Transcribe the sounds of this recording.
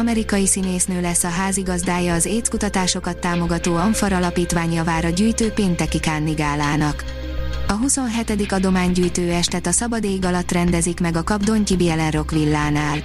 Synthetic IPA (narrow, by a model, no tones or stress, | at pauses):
ɒmɛɾikɒjisineːsnøːlɛsːɒɦaːziɡɒzd̪aːjɒːzeːt̪kut̪ɒt̪aːʃo̞kɒt̪ːaːmo̞ɡɒt̪oːɒɱfɒɾɒlɒpiːt̪ʋaːɲɒvaːɾɒɟyːjt̪øːpeːnt̪ɛkikaːnːiɡaːlaːnɒk | ɒɦuso̞nɦɛt̪ɛd̪ikɒd̪o̞maːɲɟyːjt̪øːɛʃt̪ɛt̪ɒsɒbɒd̪eːɡɒlɒt̪ːrɛnd̪ɛzikmɛɡɒkɒbd̪o̞ɲcibijɛlɛnro̞kʋilːaːnaːl